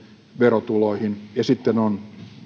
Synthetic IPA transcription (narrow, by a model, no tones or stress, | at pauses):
ʋerot̪uloihinjɑsit̪ːenon